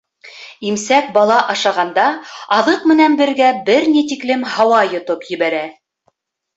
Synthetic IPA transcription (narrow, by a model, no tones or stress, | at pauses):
imsæk̚bɑlˠɑʔɑʃɑʁɑnd̪ɑɑðɤqmɘ̆nænbɘ̆ɾɡæbɘɾnit̪̬iklɘmhɑwɑjŏt̪opjɘ̆βæɾæ